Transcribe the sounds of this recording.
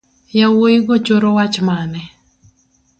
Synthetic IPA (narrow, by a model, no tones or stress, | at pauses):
jawoiɡɔt͡ʃoɾɔwat͡ʃmanɛ